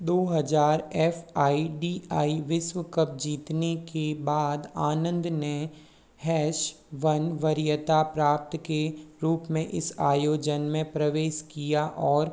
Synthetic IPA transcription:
d̪oːɦɐd͡ʒaːɾɛːfaːiɖiːaːiʋɪʃwəkəp̚d͡ʒiːt̪nekebaːd̪aːnə̃nd̪ne | hɛːʃ | ʋɐnʋəɾjət̪apɾaːp̚t̪keɾuːpmẽʔɪsaːjoːd͡ʒənmẽpɾəʋeːʃkijaʔɔːɾ

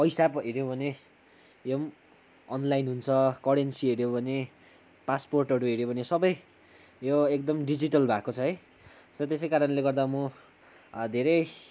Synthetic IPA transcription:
pʌjsapɦeɾjobʱʌne | jom | ʌnlajnɦunt͡sʰʌkʌɽensieɾjobʱʌne | pasporʈʌɾuɦeɾjobʱʌnesʌbʌj | joekd̪ʌmɖid͡ziʈʌlbʱakot͡sʰʌɦʌj | sʌt̪es̬ʌjkaɾʌnleɡʌrd̪amʌ | d̪ʱeɾʌj

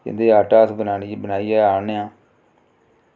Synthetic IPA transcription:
ɪ̰nd̪eːaːʈaːsbənaːnibənaːiːɛːaːneːãː

